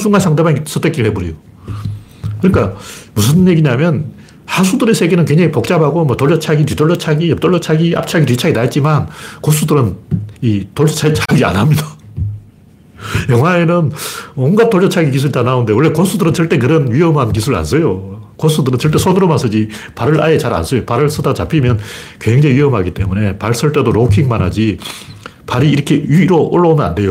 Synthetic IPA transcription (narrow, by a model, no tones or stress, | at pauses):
suŋɡansʰaŋde̞bans͈ʰɯt͈ʰek͈iɾɭheboɾijo | kɯɲik͈amusʰɯnje̞ɡiɲamjʌn | has̬ʰudɯɾesʰe̞ɡenɯnkwe̞ŋɲd͡ʑaŋipok̚t͡ɕ͈abɦaɡomwʌtoɭjʌt͡ɕʰaɡitɥidoɭːʌt͡ɕʰaɡiʌp̚t͈oɭːʌt͡ɕʰaɡia̰p̚t͡ɕʰaɡitɥit͡ɕʰaɡinaet̚t͡ɕ͈imankos͈ʰudɯɾɯnitoɭʌt͡ɕʰat͡ɕʰaɡia̰namɲida | jʌŋwaenɯnwʌŋɡat͈oɭd͡ʑʰʌt͡ɕʰaɡik̬isʰuɾitanaunde̞wʌɭːekosʰudɯɾɯnt͡ɕʌɭt͈e̞k̬ɯɾʌnɥiʌmɦank̬isʰuɾa̰nsʰʌjo | kosʰudɯɾɯnt͡ɕʌɭt͈e̞sʰonɯɾomansʰɯd͡ʑi | paɾɯɭa̰et͡ɕaɾa̰nsʰʌjopaɾɯɭs͈ʰɯdat͡ɕapʰimjʌnkwe̞ŋd͡ʑeŋiɥiɦʌmɦaɡit͈e̞mune̞paɭs͈ʰɯɭt͈e̞doɾokʰiŋmanad͡ʑi | paɾiːɾʌkʰe̞juiɾoʔoɭːʌmjʌna̰nde̞jo